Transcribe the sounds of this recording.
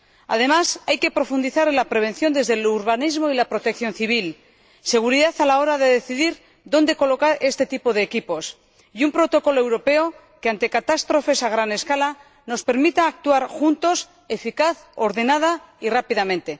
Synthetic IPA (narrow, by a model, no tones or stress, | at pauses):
a̰ð̞e̞masajke̞pɾo̞fund̪iθaɾelapɾe̞β̞e̞nθjo̞nd̪ezðeluɾβanizmo̞ilapɾo̞t̪ekθjo̞nθiβ̞il | se̞ɣ̞uɾiðaθalao̞ɾaðe̞ðe̞θiðiɾ | ðo̞nd̪e̞ko̞lo̞kaɾʔe̞st̪e̞t̪ipo̞ðe̞ːkipo̞s | jumpɾo̞t̪o̞ko̞loewɾo̞pe̞o | keant̪e̞kat̪ast̪ɾo̞fe̞saɣ̞ɾane̞skala | no̞spe̞ɾmit̪aːk̚t̪uaɾxunt̪o̞s | e̞fikaθo̞ɾðe̞nað̞a | irapiðamẽ̞nt̪e̞